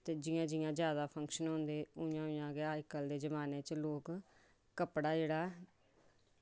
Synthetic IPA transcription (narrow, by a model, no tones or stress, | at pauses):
t̪eːd͡ʒɪjãːd͡ʒɪjãːzjaːd̪aːpʰəŋkʃənɦʊ̃nd̪eːʊjãːʊ̃jãːɡeaːkəld̪eːzəmaːnẽːt͡ʃloːk | kəpɽaːd͡ʒeːɽaː